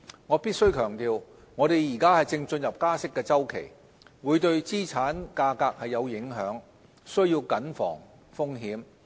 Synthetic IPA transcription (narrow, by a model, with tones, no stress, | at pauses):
ŋɔː˨˧˥piː˥t̚sɵ˥ɥkʰœː˨˩ŋt̪iː˨˧w | ŋɔː˨˧ɾe˨jjiː˨˩kaː˥hɐ˨jt͡sɪ˧ŋt͡ʃɵ˧njɐ˨p̚kaː˥sɪ˥kːɛː˧t͡sɐ˥wkʰḛ˨˩j | wuː˨˧jt̪ɵ˧ɥt͡siː˥t͡sʰaː˨˥nkaː˧kaː˧k̚hɐ˨jːɐ˨˧wjɪ˨˥ŋɦœː˨˥ŋ | sɵ˥ɥjiː˧wkɐ˨˥nfɔ̰ː˨˩ŋ | fʊ˥ŋɦiː˨˥m